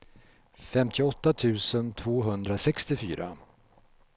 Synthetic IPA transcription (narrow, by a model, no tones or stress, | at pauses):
fɛmt̪ʰɪɔt̪ːat̪ʰʉ̟ːsənt̪ʰvoːɦɵnd̪ɾasɛkst̪ɪfy̰ːɾa̰